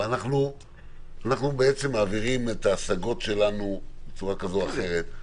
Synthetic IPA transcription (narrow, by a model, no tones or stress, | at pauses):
anaχnu | anaχnubeet͡se̞mːaːviʁime̞t̪aːsaɡo̞tʃe̞lanubet͡suʁakazo̞aχe̞ʁe̞t̪